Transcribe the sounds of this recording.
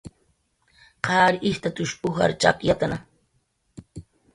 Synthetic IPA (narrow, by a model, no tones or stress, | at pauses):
qʰɑːɾʔɪht̪at̪ʊʃʊxa̰ɾt͡ʃa̰kjat̪ana